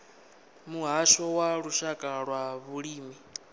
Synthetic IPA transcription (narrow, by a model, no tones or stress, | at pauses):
muɦaʃɔwaɺuʃakʼaɺwaβuɺiːmi